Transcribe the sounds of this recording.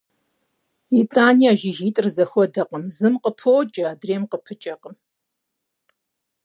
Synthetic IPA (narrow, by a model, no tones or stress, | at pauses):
itʼaːniaːʒiɣiːtʼrzɐxʷɔdɐqʼəmzɨmqəpʰowt͡ʃʼɐaːdreːmqəpʰɨt͡ʃʼɐqʼəm